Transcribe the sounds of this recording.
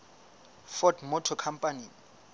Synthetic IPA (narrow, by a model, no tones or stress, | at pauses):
fɔdmɔtʰɔkʰampʼani